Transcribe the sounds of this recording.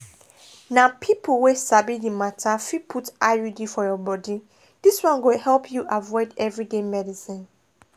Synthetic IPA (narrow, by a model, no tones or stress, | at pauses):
napʰipʰowesabidimatʰafipʰutajudifɔjɔbɔdi | d̥iswãnɡohɛlˠpʰjuʔavɔɪdɛvɹidemɛdisĩn